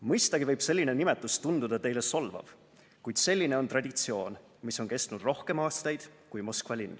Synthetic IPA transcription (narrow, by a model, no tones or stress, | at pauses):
mɤjst̪ɑɡ̥ivɤjb̥se̞lʲːine̞nime̞t̪ːˑust̪und̪ud̪̥ɑt̪e̞jle̞so̞lvɑ̰v̥ | kujd̪̥se̞lʲːine̞o̞nt̪rɑd̪ʲit̪sio̞ːn | miso̞nke̞st̪nud̪̥ro̞hke̞mɑːst̪ɑjd̪̥kujmo̞skvɑlʲinː